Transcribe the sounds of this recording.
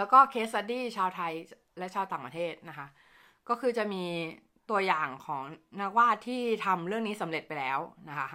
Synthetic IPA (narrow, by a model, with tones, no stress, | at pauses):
lɛː˦˥wkɔː˥˩kʰe˦˥t̪̚sa˧diː˥˩t͡ɕʰaː˧wt̪ʰa˧j | lɛ˦˥ʔt͡ɕʰaː˧wt̪aː˨˩pɾa˧t̪ʰeː˥˩t̪̚na˦˥kʰa˦˥ | kɔː˥˩kʰɯː˧t͡ɕa˨˩miː˧ | t̪u˧ɐjaː˨˩ŋkʰɔː˩˦ŋnaː˥˩k̚waː˥˩t̪ʰːiː˥˩t̪ʰa˧mɾɯ˥˩əŋniː˦˥sa˩˦mɾe˨˩t̪̚pa˧jlɛː˦˥wna˦˥kʰa˦˥